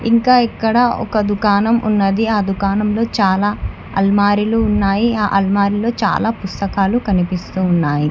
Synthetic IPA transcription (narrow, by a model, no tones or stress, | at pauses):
iŋkaːikːɐɽɐɔ̰kɐd̪ukaːnɐmʔṵnːɐd̪iaːd̪ukaːnɐmlo̞ːt͡ʃaːlaː | ɐ̰lmaːɾiluːnːaːjiaːʔɐlmaːɾilo̞ːt͡ʃa̰ːlaːpust̪ɐkaːlukɐnipist̪uːnːaːji